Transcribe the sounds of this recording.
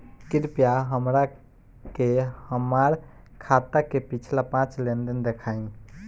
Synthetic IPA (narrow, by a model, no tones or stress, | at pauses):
kiɾpjaɦəmɾa | kehəmaɾ | kʰat̪akepit͡ʃʰlapãt͡ʃlend̪ənd̪ekʰaĩ